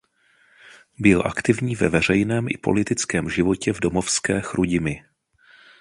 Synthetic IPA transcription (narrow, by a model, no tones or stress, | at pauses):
bɪlʔa̰kt̪ɪvɲiːvɛvɛr̝ɛjnɛːmʔɪ̰po̞̰lɪt̪ɪt͡skɛːmʒɪvo̞cɛvdo̞mo̞fskɛːxɾʔuɟɪmɪ